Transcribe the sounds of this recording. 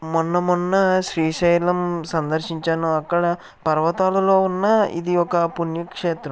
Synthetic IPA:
mɔnːɐmɔnːɐʃɾiːʃɐjlɐmsɐnd̪ɐɾʂiɲt͡ʃaːnuɐkːɐɽɐ | pɐɾʋɐt̪aːlɐlo̞ːunːɐḭd̪iɔkɐpunjɐkʂeːt̪ɾɐm

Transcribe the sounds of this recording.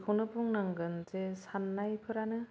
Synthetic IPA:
kʰownɯbuŋnaŋɡɯnzesanːajpʰɯɾanɯ

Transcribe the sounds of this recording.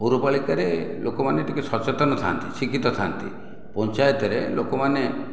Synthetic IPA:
oɾupaɭikaɾelokɔmaneʈikesɔt͡ʃet̪ɔnɔt̪ʰa̰nt̪it͡ʃikit̪ɔt̪ʰa̰nt̪ḭ | pɔnt͡ʃajt̪ɔɾelʔokɔmane

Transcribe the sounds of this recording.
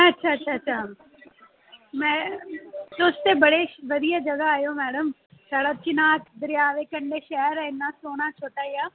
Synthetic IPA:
ɛ̃ɐtːʃʰaɐtːʃʰaɐtːʃʰa | mɛ̃ː | soːst̪ebɐɽeʋɐd̪ijad͡ʒɐɡaaːjomɛːɽəm | saːɽat͡ʃɪnaːt̪ʰd̪ɪɾjaːʋekɐ̃ɳɖeʃɛɦəɾɛɪnːasoːɽ̃at͡ʃʰoːʈaijaː

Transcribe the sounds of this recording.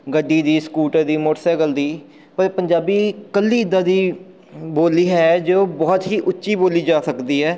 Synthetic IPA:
ɡəɖːiːd̪iːskuːʈəɾd̪iːmoːʈsɛːɡəld̪iː | pəɾpəɲd͡ʒaːbiːkəlːiːɪd̪ãːd̪iː | boːliːɦɛːd͡ʒoːbɔːt̪ɦiːʔʊtːʃiːboːliːd͡ʒaːsəkd̪iːɦɛː

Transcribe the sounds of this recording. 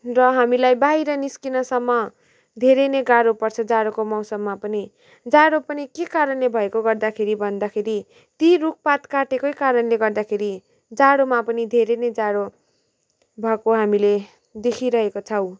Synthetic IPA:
rʌɦamilajbaɦiɾʌniskinʌsʌmːʌ | d̪ʱeɾenʌɡaɽopʌrt͡sʰʌd͡zaɽokomʌwsʌmːapʌni | d͡zaɽopʌnikekaɾʌnlebʱʌekoɡʌrd̪akʰeɾibʱʌnd̪akʰeɾi | t̪iɾuk̚pat̪kaʈekojkaɾʌnleɡʌrd̪akʰeɾi | d͡zaɽomapʌnid̪ʱeɾenʌjd͡zaɽo | bʱʌkoɦamile | d̪ekʰiɾʌɦekot͡sʰʌw

